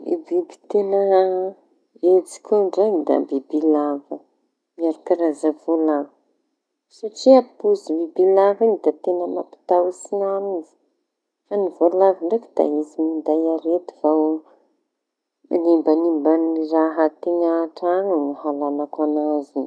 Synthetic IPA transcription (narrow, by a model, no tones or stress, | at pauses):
ḭbibi̥t̪enə | et͡si̥kʰʲuɳɖ͡ʐaɲd̪a̰bibilavə | miaɾukiɾazavolavə | saʈ͡ʂiapuzibibilavanid̪at̪enəmapi̥t̪awusinanizi̥ | fanivolaviɳɖ͡ʐekid̪̥a̰izimind̪ajaɾet̪ivaw | animbanimbaniraɦat̪iɲaʈ͡ʂanunahalanakanazi